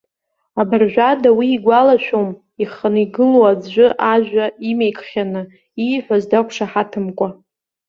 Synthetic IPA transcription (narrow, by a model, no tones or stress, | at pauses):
abɨrʒᶣʷadawiːɡʷalaʃᶣom | iχəniɡɨlowad͡zʒʷʊʔaʒʷᶣaimejkʰʼχʲanɨ | iħʷazdakʷʰʂaħatʰɨmkʷʼa